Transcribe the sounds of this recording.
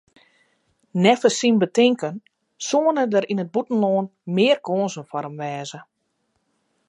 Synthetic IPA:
nɛfəsinbətɪŋkən | soːənədəɾinəd̚butn̩loːnmɪərkoːnzənfɔɾəmʋɛːzə

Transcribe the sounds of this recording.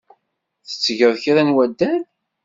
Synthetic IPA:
θə̥t͡sːəʝəðˤçiɾænwæd̪ːæn

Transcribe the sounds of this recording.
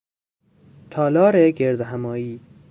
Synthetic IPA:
t̪ʰɒːlɒːɾeɡeɾd̪eɦæmɒːiː

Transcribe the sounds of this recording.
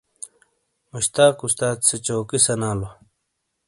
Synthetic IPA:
muɕt̪aːkust̪aːt̪set͡ɕoːkisɐnaːlo

